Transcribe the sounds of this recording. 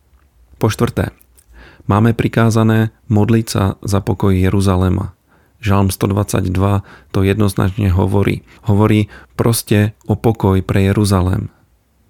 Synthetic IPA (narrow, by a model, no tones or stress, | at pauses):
pɔʃt̪ʋr̩t̪ɛ̰ː | maːmɛpɾikaːzanɛː | mɔd̪lit͡sa̰zapɔkɔjːɛɾuzalɛma̰ | ʒalmst̪ɔd̪ʋat͡sa̰ɟd̪ʋat̪ɔjɛd̪nɔzna̰t͡ʃɲɛɦɔ̰ʋɔɾḭː | hɔʋɔɾiːpɾɔscɛʔɔpɔkɔjpɾʔɛjɛɾuzalɛ̰m